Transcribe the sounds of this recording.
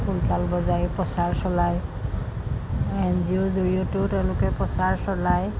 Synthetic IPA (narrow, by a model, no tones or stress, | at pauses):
pʰulkalbɔzajpɔsaɹsɔlaj | ɛnziozoɹijɔtʊtɛʊ̃lʊkɛpɔsaɹsɔlaj